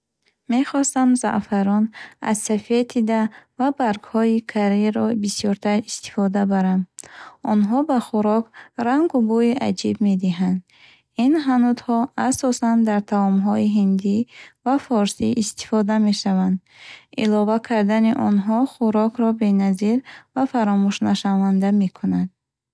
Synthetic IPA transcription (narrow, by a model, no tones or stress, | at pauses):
me̞χɔst̪amza̰ʔfaɾɔna̰zsafe̞t̪ʰid̪avabaɾɡhɔikʰaɾiɾɔbisjɔɾt̪ʰaɾist̪i̥fɔd̪abaɾand̪ɔnɦɔbaχuɾɔkɾaŋɡubuiʔa̰d͡ʒibme̞d̪iɦand̪ | inɦanud̪hɔasɔsand̪aɾt̪ʰaɔmɦɔiɦind̪ivafɔɾsiʔist̪i̥fɔd̪ame̞ʃavand̪ | ilɔvakʰaɾd̪aniʔɔnɦɔχuɾɔkʰɾɔbe̞naziɾvafaɾɔmuʃnaʃavand̪ame̞kʰunand̪̥